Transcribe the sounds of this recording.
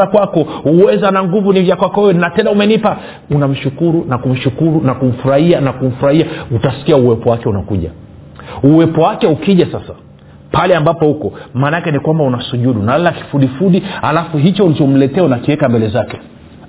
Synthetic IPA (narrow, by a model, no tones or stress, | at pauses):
akwakɔhuwɛzanaŋɡuvunivjakwakɔɛɛnatɛndaumɛnipa | unam̩ʃukuɾunakum̩ʃukuɾunakum̩fuɾahianakum̩fuɾahiautasi̥kiauwɛpɔwakɛunakuʄa̰ | uwɛpɔwakɛukiʄasasa | palɛambapɔhukɔmaːnakɛnikwambaunasuʄuɗunalalaki̥fuɗifuɗihalafuɦit͡ʃɔulit͡ʃɔm̩lɛtɛaunakiwɛkambɛlɛzakɛ